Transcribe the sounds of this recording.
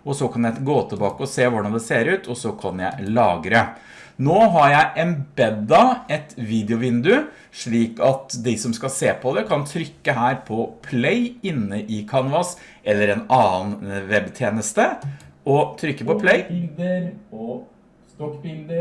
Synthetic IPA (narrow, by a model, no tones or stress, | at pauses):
ɔsɔkʰɑnjæɪɡoːt̪ʰɪlbɑːkəɔseːʋʊɖɑnd̪ɛseːɾʉːt̪ʰɔsɔkʰɑnjæ̰ɪlɑːɡɾə | noːɦɑɾjæɪʔɛnbɛd̪ɑɛt̪ʋiːd̪ɪʊʋɪnd̪ʉ | ʂɭiːkɑt̪d̪ɪsɔmskɑseːpʰɔd̪ɛkʰɑnt̪ʰɾʏkːəɦæːɾpʰɔpʰlɛɪɪnːəʔɪkʰɑnʋɑs | ɛlːəɾɛnɑːnʋɛbt̪ʰjeːnəst̪əɔt̪ʰɾʏkːəpɔpʰlɛɪd̪